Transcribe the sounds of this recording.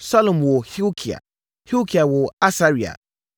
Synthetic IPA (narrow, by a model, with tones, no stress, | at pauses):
sa˦lɔ̃˨mwo˨hi˦kʰi˨a̰˨ | hi˦kʰi˨a˨wo˨a˦sa˦ɾi˨a̰˨